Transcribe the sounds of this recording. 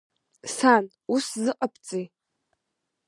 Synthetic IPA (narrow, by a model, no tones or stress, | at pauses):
san | uszɨqʼɐp̚ʰt͡sʼij